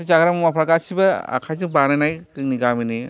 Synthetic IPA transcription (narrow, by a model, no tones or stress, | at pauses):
zaɡɾammapʰɾaɡasibɐa̰kʰajzɯŋbanajnajkɾɯŋniɡamini